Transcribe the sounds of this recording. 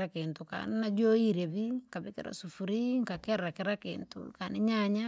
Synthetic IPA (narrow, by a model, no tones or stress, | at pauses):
akentoka̰ninad͡ʒoiɾeβiŋkaβikɪ̰ɾa̰sufuɾiŋkakɛrakeɾakḛːntṵkaniɲaɲa